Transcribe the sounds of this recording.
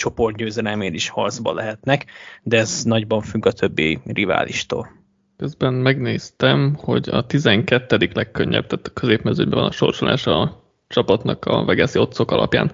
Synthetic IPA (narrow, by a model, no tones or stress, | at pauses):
t͡ʃo̞po̞rt̪ɟøːzɛd̪ɛlmeːd̪iʃhɒ̰rd̪zbɒ̰lɛɦɛt̪nɛkd̪ɛznɒɟbɒɱfyɡɒt̪ʰø̞bːiriva̰ːlḭʃt̪o̰ːl | køzbɛnmɛɡneːst̪ɛmho̞ɟɒt̪izɛŋkɛt̪ːɛd̪iklɛkːøɲːɛ̰b̚t̪æːt̪ɒ̥køzeːpmɛzø̰ɟbɛvɒnɒʃo̞̰rʃolʔa̰ːʃɒ | t͡ʃɒpɒt̪nɒkɒ̰vɛɡɛsio̞t̪sokɒlɒ̰pjaːn